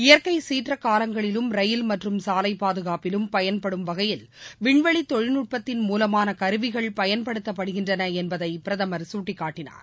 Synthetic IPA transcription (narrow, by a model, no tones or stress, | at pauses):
ɪjɐɾkɐɪsiːʈrɐkːaːlɐŋɡɐɭɪlɯmɾɐjɪlmɐʈrɯmsaːlɐɪpːaːðɯɣaːpɪlɯmpɐjɐnpɐɽɯmʋɐɣɐjɪl | ʋɪɳʋɐɭit̪ːɔɻɪnuʈ̚pɐt̪ːɪnmuːlɐmaːnɐkɐɾɯʋɪɣɐɭpɐjɐnpɐɽɯt̪ːɐpːɐɽɯɣɪndrɐnɐɛnbɐðɐɪpɪɾɐðɐmɐɾsuːʈːɪkːaːʈːɪna̰ːɾ